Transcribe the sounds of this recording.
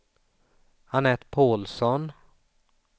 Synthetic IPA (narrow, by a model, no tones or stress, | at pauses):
hanɛːt̪pʰoːlsɔn